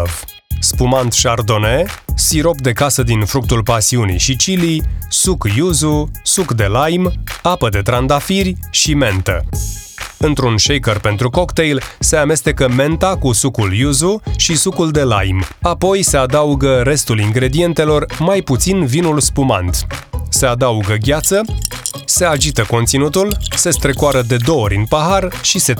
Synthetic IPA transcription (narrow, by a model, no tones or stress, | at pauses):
v | spumant̪ʃard̪o̞ne̞siɾo̞p̚d̪e̞kasəd̪infɾuk̚t̪ulpasiunḭjʃit͡ʃilisukjuzusukd̪e̞lajmapəd̪e̞t̪ɾand̪afirʲʃime̞nt̪ə̰ | ɨnt̪ɾunʃejkərpe̞nt̪ɾuko̞kt̪e̞jlse̞ame̞st̪e̞kəme̞nt̪akusukuljuzuʃisukuld̪e̞la̰jmapo̞jse̞ad̪auɡəɾe̞st̪uliŋɡɾe̞d̪ije̞nt̪e̞lo̞rmajput̪sinvinulspuma̰nt̪se̞ad̪auɡəɡʲat̪səse̞ad͡ʒit̪əko̞nt̪sinut̪ulse̞st̪ɾe̞koaɾəd̪e̞d̪o̞oɾʲɨnpaɦarʃise̞